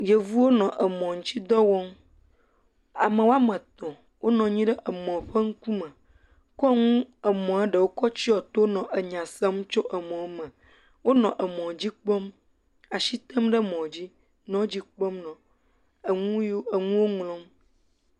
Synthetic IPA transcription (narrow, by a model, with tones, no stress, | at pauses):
je˨vu˦wo˦nɔ̃˨ʔə˨mɔ̃˨ŋ̩˦t͡ɕi˦d̪ɔ˦wɔ˦m | a˨mə̃˨wo˦a˦mə̃˨t̪ɔ̃˨ | wʔo˦nɔ̃˨ɲĩ˦ɖə˦ʔə˨mɔ̃˨ɸə˦ŋ̩˦kũ˦mə̃˨ | kɔ˦ŋũ˦ə˨mɔ̃˨a˦ɖə˨wo˦kɔ˦t͡ɕi˦ɔ˨t̪o˦nɔ̃˨ʔə˨ɲã˨sɛ˦m˦t͡ʃo˦ʔə˨mɔ̃˨˦mə̃˨ | wo˦nɔ̃˨ʔə˨mɔ̃˨d͡ʑi˦k͡pɔ˦m | a˨ʃi˦t̪ə˦mɖə˦mɔ̃˨d͡ʑi˦ | nɔ̃˨˦d͡ʑi˦k͡pɔ˦mnɔ̃˨ | ə˨ŋũ˦ji˦o˦ə˨ŋũ˦wo˦ŋlɔ̃˦m